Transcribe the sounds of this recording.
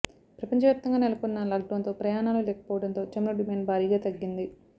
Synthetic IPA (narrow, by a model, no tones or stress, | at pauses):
pɾɐpɐɲt͡ʃɐʋjaːp̚t̪ɐŋɡaːnelɐkunːɐlɐːɡʈɐnt̪o̞ːpɾɐjaːnaːlulɛːkɐ̥pɔːʋɐɽɐnt̪o̞ːt͡ʃɐmɾoɖimeːɳɖbʱaːɾiːɡaːt̪ɐɡːind̪i